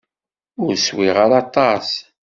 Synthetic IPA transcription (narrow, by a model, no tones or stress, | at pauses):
ʊɾswiʁəɾɑt̪ˤɑs